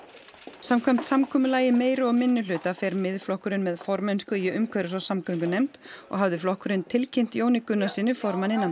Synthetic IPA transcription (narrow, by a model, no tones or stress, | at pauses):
samkʰɛm̥t̪samkʰɔːmʏlaːjɪmeːjɾʏɔɣmɪnːʏlʏːt̪afɛɾmɪðflɔhkʏɾɪnmɛðfɔɾmɛnskʏjɛʔʏmkʰvœɾʏsɔsamkœŋkʏnejmt̪ɔ̰ɣɦavðɪflɔhkʏɾɪnt̪ʰɪlcʰejm̥t̪joːwnɪkʏnːasiːnʏfɔɾmanːɪnːa